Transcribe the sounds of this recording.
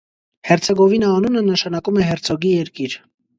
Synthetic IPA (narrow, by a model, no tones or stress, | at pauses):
hɛɾt͡sʰɛɡɔvinəːnunənəʃɑnɑkumɛɦɛrt͡sʰɔɡijɛɾkiɾ